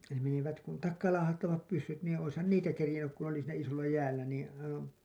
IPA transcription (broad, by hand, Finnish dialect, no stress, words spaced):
ne meniʋæt kun tɑkːɑːlɑːhɑtːɑʋɑp pysːyt niːn oishɑn niːtæ kerĭjenːyk ku n oli siːnæ isolːɑ jæːlːæ niːĩ ɑiʋɑ̃ː